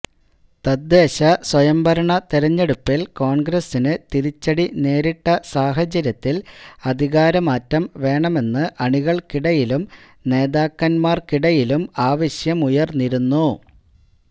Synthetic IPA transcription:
t̪ɐd̪ːe̞ːɕɐswɐjɐmbʱɐɾɐɳɐt̪iɾɐɲːe̞ɽupːilko̞ːɳɡɾɐsinɨt̪iɾit͡ɕːɐɽine̞ːɾiʈːɐsaːɦɐt͡ɕɐɾjɐt̪ːilɐd̪ʱiɣaːɾɐmaːtːɐmʋe̞ːɳɐme̞nːɨʔɐɳiɣɐɭkiɽɐjilum | ne̞ːðaːkːɐnmaːrkiɽɐjilumaːʋɐɕjɐmujɐrnːiɾunːu

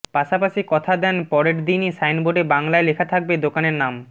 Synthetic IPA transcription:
paʃapaʃikɔt̪ʰad̪ɛnpɔɾeʈd̪inisajnboɖebaŋlaelekʰat̪ʰak̚bed̪okaneɾnam

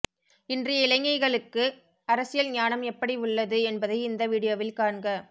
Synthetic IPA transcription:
ɪndrɐjɐɪlɐŋːɐɪɣɐɭɯkːɯ | ɐɾɐsɪjɐlɲaːnɐmɛpːɐɽiʊɭːɐðɯɛnbɐðɐɪɪnd̪ɐʋiɽɪjoːʋɪlkaːɳɡɐ

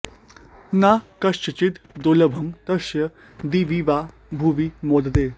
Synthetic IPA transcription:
nakɐʃɐt͡ɕit̪d̪oləbʱɐmt̪ɐʃjə | d̪iʋiʋa | bʱuʋimod̪d̪e

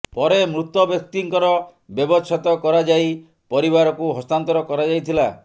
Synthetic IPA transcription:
pɔɾemɾut̪ɔbjɔk̚t̪iŋkɔɾɔbjɔbɔt͡ʃʰat̪ɔkɔɾad͡ʒaj | pɔɾibaɾɔkuɦɔst̪ant̪ɔɾɔkɔɾad͡ʒajt̪ʰila

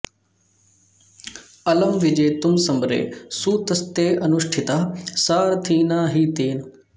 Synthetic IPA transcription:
ɐləmʋɪd͡ʒeːt̪ʊmsɐmbɾḛːsut̪ɐst̪eːʔɐnʊʃʈʰɪt̪aːsaːɾt̪ʰiːnaːɦiːt̪eːn

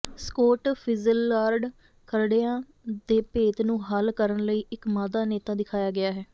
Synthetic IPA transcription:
skoːʈpʰɪzəlːaːɾɖ | kəɾɽeãː | d̪eːpeːt̪nũːɦəlkəɾənləiːɪkmaːd̪aːneːt̪aːd̪ɪkʰaːjaːɡɪaːɦɛː

